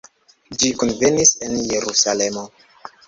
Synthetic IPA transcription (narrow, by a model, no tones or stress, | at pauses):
d͡ʒikunvenisenje̞ɾusale̞mo